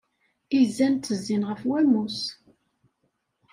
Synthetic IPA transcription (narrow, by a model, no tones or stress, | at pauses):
izænt̪ːəzːinʁəfwæmus